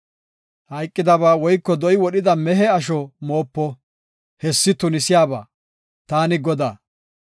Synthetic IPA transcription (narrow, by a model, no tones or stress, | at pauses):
hɐjkʼːɪd̪ɐβaːwɔjkːɔd̪ɔjɪwɔɗɪd̪ɐmɛɦɛɐʃ̬ɔmoːpːɔ | hɛsːɪt̪ʊnɪsɪjaːba̰ː | t̪aːnɪɡɔd̪aː